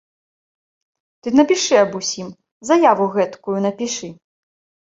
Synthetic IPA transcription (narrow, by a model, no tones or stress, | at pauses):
t̪ɨnɐpʲiʂɨɐbusʲim | zɐjavuɣɛt̪kujunɐpʲiʂɨ